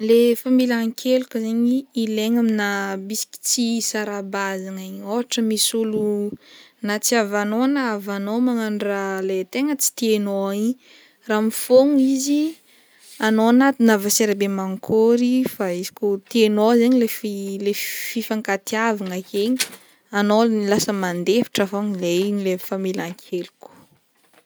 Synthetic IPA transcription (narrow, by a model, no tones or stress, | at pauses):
lefambilaŋkʰelukəzeɲiːleŋaminabisi̥ki̥t͡sisaɾabazaŋaɲoaʈ͡ʂəmisulu | nat͡siavanonaːvanomaŋaɳɖ͡ʐalet̪eŋət͡si̥t̪ienoi | ramifoŋizi | anoanat̪inavaseɾabemaŋkʰoɾifaizi̥kʲot̪ienozeɲilefilefifaŋkat̪iavaŋakeɲi | anoilasəmand̪efi̥ʈ͡ʂafoŋileɲlefamilʲaŋkʰelukʲu̥